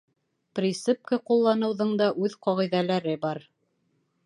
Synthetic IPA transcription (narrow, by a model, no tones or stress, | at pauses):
prʲisɘp̚kɤqulˠːɑnɤ̆wðɤɴd̪ɑʔʉðqɑʁiðælæɾɘbɑɾ